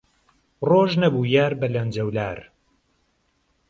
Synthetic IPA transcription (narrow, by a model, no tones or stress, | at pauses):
roːʒnɐbuːjaːɾbɐlɐnd͡ʒɐwlaːɾ